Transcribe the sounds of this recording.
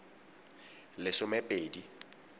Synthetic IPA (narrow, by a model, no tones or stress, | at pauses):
lɪsʊmepʼeːdi